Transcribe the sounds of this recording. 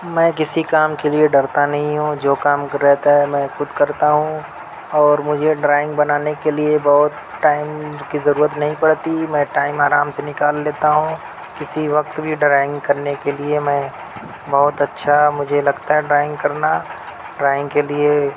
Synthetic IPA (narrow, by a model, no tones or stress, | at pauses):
mɛ̃ːkɪsikaːmkelieɖɐɾt̪anɐɦĩɦũd͡ʒoːkaːmɾɛɦt̪aɦɛmɛ̃xʊd̪ʱkɐɾt̪aɦũ | ɔːɾmʊd͡ʒʱeɖɾaːɪ̃ŋɡbɐnaːnekeliebɔɦʊt̪ | ʈaːɪmkizɐɾuːɾət̪nɐɦĩpɐɽt̪imɛ̃ːʈaːɪmaːɾaːmsenɪkaːlːeːt̪aɦũ | kɪsiʋɐk̚t̪bʱiɖɾaːɪ̃ŋɡkɐɾnekeliemɛ̃ː | bɔɦʊt̪ɐtːʃʰamʊd͡ʒʱelɐɡt̪aɦɛɖɾaːɪ̃ŋɡkɐɾna | ɖɾaːɪ̃ŋɡkelie